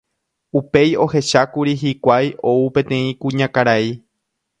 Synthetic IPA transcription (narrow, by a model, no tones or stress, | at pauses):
upe̞jo̞he̞ʃakuɾiɦikʷajo̞upẽ̞t̪ẽ̞ĩkũɲãkaɾai